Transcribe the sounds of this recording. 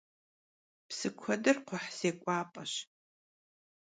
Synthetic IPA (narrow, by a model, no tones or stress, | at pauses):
psɨkʷʰɐdɨrqʷʊħz̥eːkʷʼaːpʼɐɕ